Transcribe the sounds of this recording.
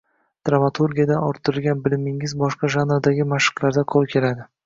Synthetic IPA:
d̪̥ɾamat̪ʰuɾɡʲijad̪anɒɾt̪ʰːɪɾɪlˠɡʲanbɪlɪmɪŋɪzbɒʃqɑʒanɾad̪aɡʲɪmaʃɨ̥qlˠaɾd̪aqʰolˠkʲʰe̞lad̪ɪ

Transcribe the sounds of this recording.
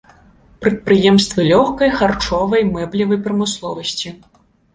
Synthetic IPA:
pɾɐt̪̚pɾɨjɛmst̪vɨlʲɔxkɐjxart͡ʂɔvɐjmɛblʲivɐjpɾɐmɨslˠɔvɐsʲt͡sʲi

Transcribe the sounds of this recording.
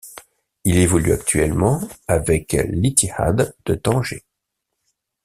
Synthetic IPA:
ilevɔlyakt̪ɥɛlmɑ̃avɛklit̪iha̰d̪d̪̥əd̪ɑ̃ʒḛ

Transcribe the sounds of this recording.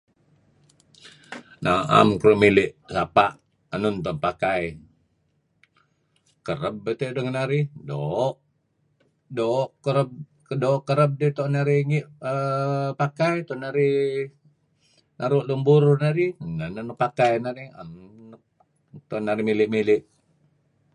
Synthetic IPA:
naa̰mkɾomilɪʔsapaʔ | anʊnt̪anpakaj | kəɾəb̚ət̪eʔdoŋnaɾidoʔ | doʔkəɾəb̚ | doːʔkəɾəb̚dit̪oʔnaɾiŋiʔəpakajt̪ɔnaɾi | nʔaɾuʔlumbuɾnaɾinanənupakajnaɾia̰nn | t̪ɔnaɾimilɪʔmilɪʔ

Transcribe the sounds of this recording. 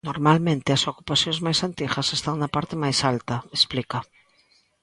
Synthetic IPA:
noɾmalmẽnt̪ɪɐsoku̥paθjõŋzmajsant̪iɣɐsest̪aŋnɐpaɾt̪ɪmajsalt̪ɐesplikɐ

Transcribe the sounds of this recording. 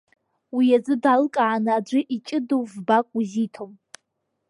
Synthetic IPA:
wijad͡zɨdalkʼaanaːd͡ʒʷɨʔit͡ʃʼɪdovbakʷʼuzitʰom

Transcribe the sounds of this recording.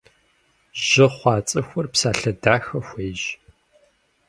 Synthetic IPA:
ʒɪχʷɑːt͡sʼɨxʷʊrpsaːɬɐdaːxɐxʷeːʒ

